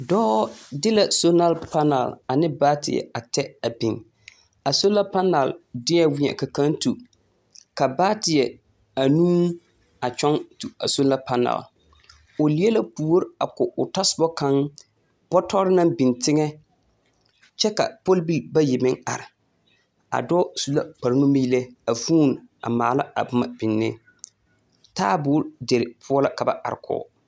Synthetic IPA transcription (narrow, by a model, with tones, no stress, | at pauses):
dɔː˦dɪ˦la˨so˦na˦lpa˦na̰˨la˨nɪ˦baː˦tɪ̰˨ɛ̰˨a˨tɛ˦a˨bi˨ŋ | a˨so˦la˦pa˦na˨ldɪ˦ɛ˦˨wɪ˦ɲɛ̰˨ka˨kã˦ntu˨ | ka˨baː˦tɪ˨jɛ˨ | a˨nũː˦ | a˨t͡ʃɔ˦ŋtu˨a̰˨so˦la˦pa˦na̰˨l | ʊ˨li˦e˦la˦puː˨˦o˦ɾa̰˨kʊ˨ʊ˨ta˦sʊ˨bɔ˦ka˦ŋ | b̥ɔ˦tɔ˦ɾɪ˦na˦mbi˨ntɪ˦ŋɛ˦ | t͡ʃɛ˦ka̰˨po˦lbi˦lba˦jɪ˨mɪ˦ŋa̰˨ɾɪ˨ | a̰˨dɔː˦su˨la˦pa˨ɾnu˦mi˦le˦a˨fuː˦na̰˨maː˨la˦a̰˨bʊ˦ma˨bɪ˨nːɪ˦ | taː˦bʊː˨˦ɾde˨ɾɪ˨pʰʊ˦ɔ˦la˦ka˨ba˦ʔa̰˨ɾɪ˨kʰɔ̰˨